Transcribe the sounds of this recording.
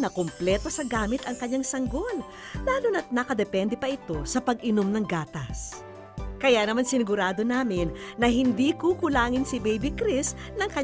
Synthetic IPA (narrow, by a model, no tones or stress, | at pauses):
nɐkomplɛt̪o̞sɐɡaːmɪt̪ɐŋkɐɲːaŋsɐŋɡo̞l | laːlonɐt̪̚nɐkɐd̪ɛpɛnd̪ɛpɐʔɪt̪o̞sɐpɐɡɪnomnɐŋɡaːt̪ɐs | kɐjanɐmansɪnɪɡʊɾaːd̪o̞naːmɪnːɐɦɪnd̪ikukʊlaːŋɪnsɪbɛjbɪkɾɪs | nɐŋkɐ